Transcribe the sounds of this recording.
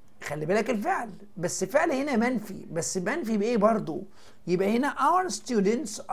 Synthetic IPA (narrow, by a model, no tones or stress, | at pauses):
xælːibæːlækelfeʕl | bæsːfeʕlhenæmænfḭbæsːmænfibʔeːbɑɾˤd̪ˤo | jebʔæhenæʔawæɾst̪juːd̪ent̪sʔ